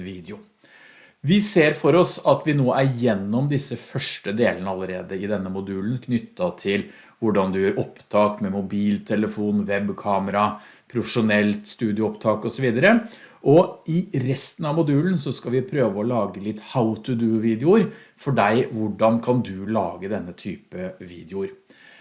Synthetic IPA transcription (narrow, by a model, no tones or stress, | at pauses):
ʋiːd̪əʊ | ʋɪseːɾfɔɾɔsɑt̪ʋɪnoːæɾjɛnːɔmd̪ɪsːəfœʂʈəd̪eːlənəɑlːəɾeːd̪əɪd̪ɛnːəmʊd̪ʉːlənkʰnʏt̪ːɑt̪ʰɪl | ʋʊɖɑnd̪ʉjøːɾɔpt̪ʰɑːkmɛmʊbiːlt̪ʰɛləfuːnʋɛbkʰɑːməɾɑ | pʰɾʊfəʂʊnɛlt̪st̪ʉːd̪ɪʊɔpt̪ʰɑːkɔsɔʋiːd̪ɑɾə | ʔɔɪɾɛst̪ən̩ɑʋmʊd̪ʉːlnsɔskɑlʋɪpʰɾøːʋəɔlɑːɡəlɪt̪ːhaʊt̪ʰʉd̪ʉːʋiːd̪ɪʊɾ | fɔɖæɪʋʊɖɑnkʰɑnd̪ʉlɑ̰ːɡəd̪ɛnːət̪ʰyːpəʋḭːd̪ɛʊɾ